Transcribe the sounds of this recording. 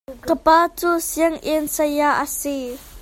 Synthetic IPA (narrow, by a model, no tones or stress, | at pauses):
kəpaːt͡suːsiəŋʔɛnsɐjaʔəsi